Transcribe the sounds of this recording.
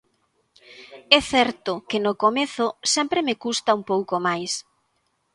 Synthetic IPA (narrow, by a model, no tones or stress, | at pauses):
ɛθɛɾt̪ʊkɪnʊkomeθʊsɛmpɾemekust̪aumpowkomajs